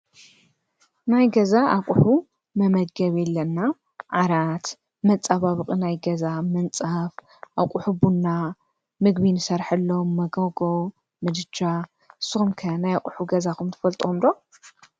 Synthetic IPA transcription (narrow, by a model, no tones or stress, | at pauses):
najɡɐzaʔakʼʊħu | mɐmɐd̪̚ɡɐβɛlːɐnːa | ʕaɾat̪ | mɐt͡sʼaβaβɨqʼɨnajɡɐzamɐnt͡sʼaf | ʔaqʼʊħubunːa | mɨɡbinɨsɐɾħɨlːomːɐɡɐɡo | mɨd̪ɨt͡ʃːa | ɨsːɨxumkʰɐnajakʼʊħuɡɐzakʰumt̪ʰɨ̥fɐlt̪ʼomd̪o